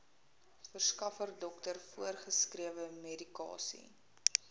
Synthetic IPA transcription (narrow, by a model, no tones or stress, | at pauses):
fərskɐfərdɔktərfuərχəskriəvəmedikɑ̰ːsḭ